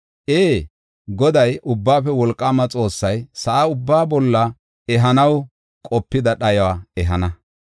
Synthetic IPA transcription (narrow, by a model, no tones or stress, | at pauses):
ʔeː | ɡɔd̪ɐjʊbːaːfɛwɔlkʼːaːmɐt͡sʼo̞ːsːɐjsɐʔaʊbːaːbɔlːɐ | ɛɦɐnɐw | kʼɔpːɪd̪ɐɗɐjwaːɛɦɐnɐ